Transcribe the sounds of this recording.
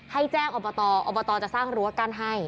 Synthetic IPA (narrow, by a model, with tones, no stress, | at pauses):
ha˥˩jt͡ɕɛː˥˩ŋʔɔː˧˩bɔ˧t̪ɔː˧ʔɔː˧˩bɔ˧t̪ɔː˧t͡ɕa˨˩saː˥˩ŋɾu˦a˧˩kaː˧nɦa˥˩j